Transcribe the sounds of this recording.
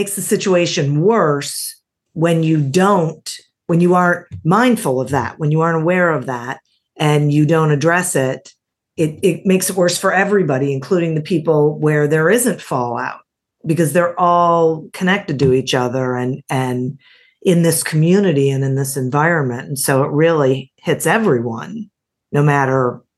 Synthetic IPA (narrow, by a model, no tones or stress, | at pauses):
eɪksðɨsɪt͡ʃueɪʃɨ̃nwɜ˞s | wɨ̃njɨdõʊ̃nt | wɨ̃njɨɑɹɨ̃nmãɪ̃nd̥fl̩ˠʌvðæ̰ʔ̚wə̃njɨɑɹ̃nəwɛɹʌvðæɾ̚ | ʔɨ̃njɨdõʊ̃ñɨdɹɛsɪɾ | ɪɾɪt̚meɪksɨt̚wɜ˞sfə˞ɛvɹibɑɾiɨ̃nkʰl̥uɾɪ̃ŋðɨpʰipl̩ˠwə˞ðə˞ɪzɨ̃ntfɔlˠa̰ʊt̚ | b̥ɨkʌzðə˞ʔɔlˠkʰɨnɛk̚tɨd̚tɨit͡ʃʌðə˞ɨ̃nɨ̃n | ʔɪ̃nðɪskʰmjʉnɨɾiɨ̃nɨ̃nðɪsɨ̃ɱvaɪɹɨ̃nmɨ̃nsoʊət̚ɹɪlˠihɪtsɛvɹiwʌ̰̃nː | oʊmæɾə˞